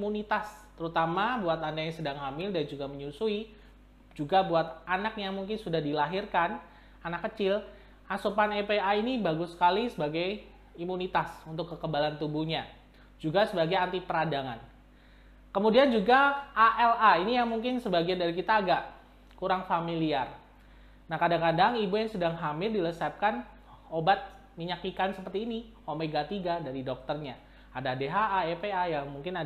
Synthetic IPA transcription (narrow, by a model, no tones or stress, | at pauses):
munit̪ast̪əɾut̪amabuat̪andajaŋsədaŋɦamɪldand͡ʒuɡaməɲusui | d͡ʒuɡabuat̪̚anak̚jaŋmuŋkɪnsudahdilaɦirkan | anakːət͡ʃɪl | ʔasopanepeainibaɡʊsːə̥kalisəbaɡaj | imunit̪asunt̪ʊkːəkəbalant̪ubuhɲa | d͡ʒuɡasəbaɡajant̪ipəɾadaŋan | kəmudiand͡ʒuɡaaʔɛlainijaŋmuŋkɪnsəbaɡiandaɾikit̪aːɡaʔ | kuɾaŋfamiliar | nahkadaŋkadaŋibujaŋsədaŋɦamɪrdiləsap̚kan | obat̪̚ | miɲakikansəpərt̪iːnihomeɡat̪iɡadaɾidɔk̚t̪ərɲa | adadeɦaːepeajaŋmuŋkɪna